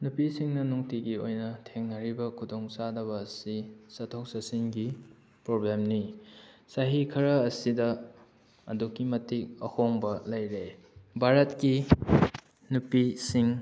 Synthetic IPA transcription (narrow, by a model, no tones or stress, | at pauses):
nupisiŋnɐnuŋtiɡiojnɐtʰeŋnɐɾibɐkʰudoŋsadɐβɐːsisɐtʰok̚sɐsiŋɡi | pɾoblemnisaɦikʰɐɾɐːsidɐ | ɐ̰dokːimɐtik̚ɐhoŋbɐlɐjɾe | bʱaɾɐtki | nupisiŋ